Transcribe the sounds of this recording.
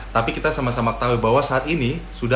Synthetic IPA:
t̪apikit̪asamasamakə̥t̪aubaɦwasaːt̪inisuda

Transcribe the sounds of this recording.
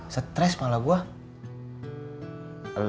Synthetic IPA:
sət̪ɾɛsmalabua | l

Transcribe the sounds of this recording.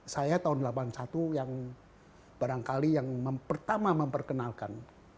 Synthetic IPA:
sajat̪aʊndəlapansat̪ujaŋ | b̥aɾaŋkalijaŋməmpərt̪amaməmpərkənalkan

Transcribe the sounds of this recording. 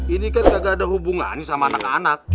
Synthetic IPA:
inikankaɡadaɦubuŋa̰nisamaːnaka̰nak̚

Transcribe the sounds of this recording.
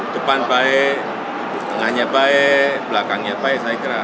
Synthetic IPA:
d͡ʒəpanbae | əŋaɲabaeblakaŋɲabaesaikiɾa

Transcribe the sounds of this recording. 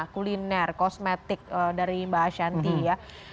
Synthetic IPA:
kulinɛrkɔsmet̪ɪk̚ədaɾimbaɦaʃant̪ija

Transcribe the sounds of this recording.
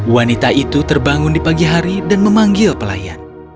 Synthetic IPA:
wanit̪aʔit̪ut̪ərbaŋʊndipaɡiɦaɾidanməmaŋɡɪlpəla̰ja̰n

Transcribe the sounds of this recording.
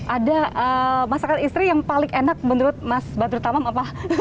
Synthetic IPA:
ʔadaʔəmasakat̪ist̪ɾijaŋpalɪŋʔenak̚mənuɾʊt̪̚masbant̪uɾut̪amamapa

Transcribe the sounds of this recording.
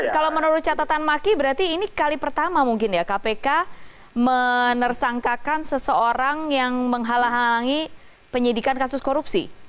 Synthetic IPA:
kalawmənuɾʊt̪̚t͡ʃat̪at̪anmakibəɾart̪iːnikalipərt̪amamuŋkɪnjakapeka | mənərsaŋkakansəsəoɾaŋjaŋməŋɦalaɦalaŋi | pəɲidikankasʊskoɾupsḭ

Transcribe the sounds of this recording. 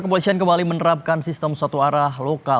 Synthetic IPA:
kəp̬olisiankəmbalimənəɾap̚kansist̪əmsuat̪uaɾahɦloka

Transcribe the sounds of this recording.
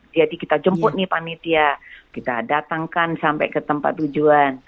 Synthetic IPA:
d͡ʒadikit̪ad͡ʒəmppʊt̪̚nɪhpanit̪iakit̪a̰dat̪aŋkansampɛ̰jkət̪əmpa̰t̪ːud͡ʒuan

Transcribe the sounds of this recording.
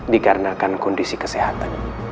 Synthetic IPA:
dikaɾənakankɔndisikə̥seɦat̪an

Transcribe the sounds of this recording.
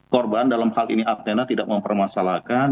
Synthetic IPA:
kɔrbandalamhalḭniʔap̚t̪enat̪idak̚məmpərmasalakan

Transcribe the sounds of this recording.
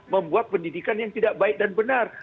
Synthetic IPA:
məmbuat̪̚pəndidikanjaŋt̪idaʔbaɪk̚danbənar

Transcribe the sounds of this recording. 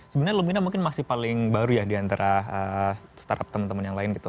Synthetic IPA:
səbənaɲalominamuŋkɪnmasɪhpalɪŋbaɾujadiant̪aɾaəsə̥t̪a̰ɾa̰p̚t̪əmənt̪əmənjaŋlaɪnɡit̪u

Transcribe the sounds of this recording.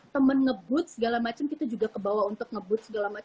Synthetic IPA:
t̪əmənŋəbʊt̪̚səɡalamat͡ʃəmkit̪ad͡ʒuɡakəbawaunt̪ʊk̚ŋəbʊt̪̚səɡalama

